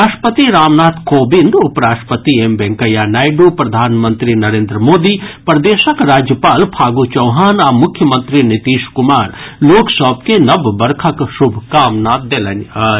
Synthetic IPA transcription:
ɾaːʃʈpət̪iɾaːmnaːt̪ʰkoːbind̪ʊpɾaːʃʈpət̪iembɛ̃ŋkɐjanaːjɖupɾɐd̪ʱaːnmə̃nt̪ɾinɐɾeːnd̪ɾəmoːd̪ipɾd̪eːʃəkɾaːd͡ʒjəpaːlpʰaːɡut͡ʃɐwɦaːnamʊkʰːjəmə̃nt̪ɾinit̪iːʃkʊmaːɾloːksəb̚kenɐbbɐɾkʰəkʃʊbʱkaːmnaːt̪̚d̪eːlɐn

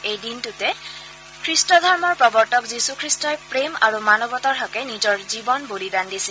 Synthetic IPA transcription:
ejdintutɛ | kʰɹistɔdʱɔɹmɔɹpɹɔbɔɹtɔkzisukʰɹistɔjpɹema̰ɹumanɔbɔtaɹɦɔkɛnizɔɹzibɔnbolidandisil

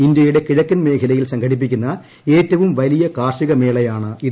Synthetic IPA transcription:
ind̪jɐjiɽekiɻɐkːɐnmeːkʰɐlɐjilsɐŋɡʱɐɽip̬ːikʲːunːɐ | eːtːɐʋɯmʋɐlijɐkaːrʂiɣɐmeːɭɐjaːɳɨi

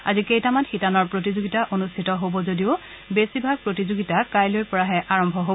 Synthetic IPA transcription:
a̰zikejtamanxitanɔɹpɹotizoɡitaʔonustʰitɔɦobɔzodiʊ | besibʱaɡ̚pɹotizoɡitakajlojɹpɔɹaɦɛʔaɹɔmbʱɔɦo

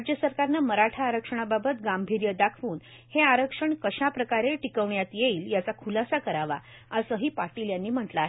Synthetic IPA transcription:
d͡ʑjəsəɾkaɾnaməɾaʈʰaːɾəkʂəɳ̃ababət̪ɡambʱiɾjəd̪akʰʋuːn | heaɾəkʂəɳkəɕapɾəkaɾeʈikəʋɳjat̪jeiːljat͡sakʰulasakəɾaʋa | əsəɦiːpaɾʈiːljanːiːm̤əʈlaːɦe

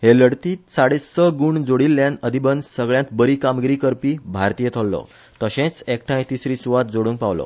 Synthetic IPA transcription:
heləɽt̪iːtsaɽessəɡuːɳd͡zoɽiːlːjãnəd̪ʱibənsəɡɭjãt̪bəɾiːkamɡiɾiːkəɾpiːbʱaɾt̪ijət̪ʰolːɔ̰ | t̪əɕẽt͡sekʈʰãjt̪isɾiːsuʋat̪̚d͡zoɽũːŋk̚paʋlɔ̰

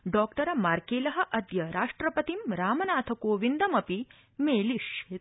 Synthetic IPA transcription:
ɖɔːk̚ʈɐɾɐmaːɾkeːlɐɦɐ̆ʔɐd̪jɐɾaːʂʈɾɐpɐt̪imɾaːmɐnaːt̪ʰɐkoːʋind̪ɐmɐpi | meːliʃeː

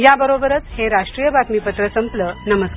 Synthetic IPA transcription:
jabəɾobəɾət͡sheɾaʂʈɾijəbʱat̪mipət̪ɾəsəmplənəməsk

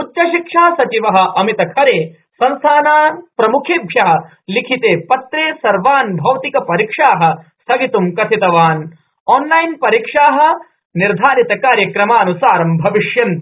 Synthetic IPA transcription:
utːt͡ʃɐʃikʂaːsɐt͡ʃiʋɐɦɐ̆ʔɐmit̪ɐkʰɐɾeː | sɐnsaːnaːnpɾɐmukʰeːbʱjɐɦɐ̆ | likʰit̪eːpɐt̪ɾeːsɐɾʋaːnbʱɐwt̪ikɐpɐɾiːkʂaːɦɐ̆st̪ʰɐɡit̪umkɐt̪ʰit̪ɐʋaːn | ɔːnlɐjnpɐɾikʂaːɦɐ̆ | niɾd̪ʱaːɾit̪ɐkaːɾjɐkɾɐmaːnusaːɾɐmbʱɐʋiʂjɐn

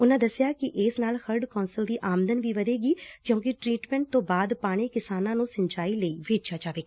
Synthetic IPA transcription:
ʊnãːd̪əsɪjaːkɪʔɪsnaːlxʰəɾɖkɔːnsəld̪iːʔaːmd̪ənʋiːʋəd̪eːɡiːkjõːkɪʈɾiːʈmɛ̃ɳʈ̚t̪õːbaːd̪paːɽ̃iːkɪsaːnãːnũːsə̃ɲt͡ʃaːiːləiːʋeːt͡ʃjaːd͡ʒaːʋeː

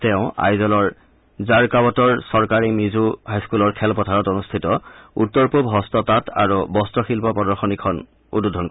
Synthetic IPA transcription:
tɛʊ̃a̰jzɔlɔɹ | zaɹkabɔtɔɹsɔɹkaɹimizuɦajskulɔɹkʰɛlpɔtʰaɹɔtonustʰitɔutːɔɹpubɦɔstɔtata̰ɹubɔstɹɔxilpɔpɔdɔɹxɔnikʰɔn | ṵdudʱɔnk

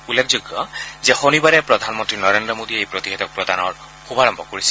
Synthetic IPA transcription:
ulːekʰzʊɡːɔzɛxonibaɹɛpɹɔd̪ʱanmɔntɹinɔɹendɹɔmodiejpɹot̪ixɛt̪ɔk̚pɹɔdanɔɹ | kubaɹɔmbʱɔkoɹisɛ̥

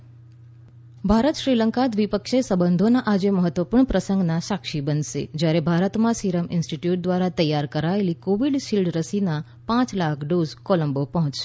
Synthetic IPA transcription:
bʱaɾət̪ʃɾiləŋkat̪ʋipəkʃesəbənd̪ʱonaʔad͡ʒeməɦət̪ːʋəpuɾɳəpɾəsəŋɡnasakʃibənʃḛd͡ʒjaɾebʱaɾət̪mãsiɾəmʔɪnsʈiʈjuʈ̚d̪ʋaɾat̪əjaɾkəɾaelikoʋiɖʃilɖɾəsina | pãt͡ʃlakʰɖozkoləmbopəɦɔ̃t͡ʃʃe

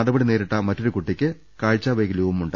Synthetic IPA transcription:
ɐɽɐbɐɽine̞ːɾiʈːaːmɐtːo̞ɾukuʈːikʲːɨ | kaːɻt͡ɕːaːʋɐjɡilɐʋumuɳɖ

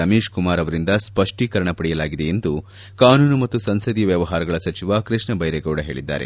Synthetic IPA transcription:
ɐmeːʂkumaːɾɐʋɐɾind̪ɐspɐʂʈikɐɾɐɳɐpɐɽijɐlaːɡid̪e̞end̪u | kaːnuːnumɐt̪ːusɐnsɐd̪ijʋjɐʋɐɦaːɾɐɡɐɭɐsɐt͡ʃiʋakɾɨʂɳɐbɐjɾeɡɐʋɽɐɦe̞ːɭid̪ːa̰ːɾḛ

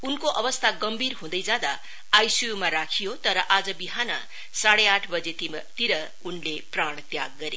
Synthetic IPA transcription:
unkoʔʌbʌst̪ʰaɡʌmbʱirɦũd̪ʌjd͡zad̪aː | jsijumaɾakʰijot̪ʌɾʌʔad͡zʌbiɦanʌ̰ | saɽeaʈʰbʌd͡ze | t̪iɾʌ | unlepraɽ̃t̪ja̰ɡːʌɾe

